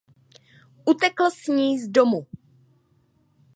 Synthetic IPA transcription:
ʔut̪ɛkl̩sɲiːzdomu

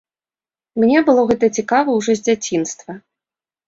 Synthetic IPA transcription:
mnʲɛbɨlˠɔɣɛt̪ɐt͡sʲikavɐwʐɔzʲd͡zʲat͡sʲinst̪vɐ

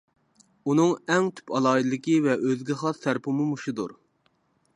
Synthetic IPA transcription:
unɨŋɛŋt̪ʰy̥pɑlˠɑːid̪ɨlɪkʲivɛʔøzɡʲɪχɑst̪æɾpɨmumuʃud̪ṵɾ

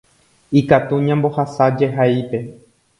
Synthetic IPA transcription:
ikat̪uɲãmbo̞hasad͡ʒeɦaipe̞

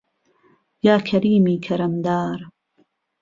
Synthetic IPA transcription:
jaːkʰɐɾiːmiːkʰɐɾɐmd̪aːɾ

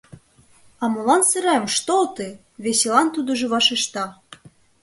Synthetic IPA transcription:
ɑmolɑnsɘ̆ɾɑmʃt̪olt̪e | βeselɑnt̪ud̪ɤ̆ʒɤ̆βɑʃĕʃt̪ɑ

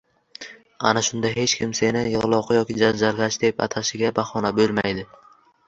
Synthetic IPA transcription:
a̰naʃʊnd̪ahe̞t͡ʃkʲʰɪmse̞nɪjɨʁlˠɒqjɒkʲɪd͡ʒand͡ʒalɡʲat͡ʃd̪e̞pa̰t̪ʰaʃɪɡʲabaχɒnabɵlˠmajd̪ɪ

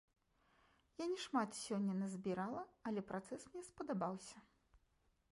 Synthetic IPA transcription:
janʲɛʂmat̪sʲɔnʲːɐnɐzʲbʲiɾalˠɐɐlʲɛpɾat̪sɛsmnʲɛspɐd̪abawsʲɐ

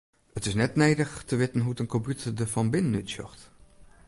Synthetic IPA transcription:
ətɪsnɛtnejdəχtəʋɪtənɦuətənkɔmpjutəɹdəvɑnbɪnənytsɔ̰χt

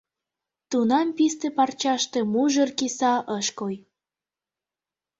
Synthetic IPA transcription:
t̪unɑmpist̪epɑrt͡ɕɑʃt̪ĕmuʒərkisɑʔəʃkoj

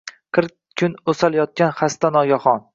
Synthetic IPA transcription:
qʰɨɾ | kʲʰʊnosaljɒt̪̚kʲanχast̪anɒɡʲaχɒn

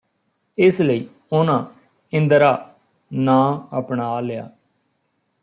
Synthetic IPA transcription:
ɪsləiː | ʊnãː | ɪ̃nd̪əɾaː | nãːəpɳaːlɪja̰ː

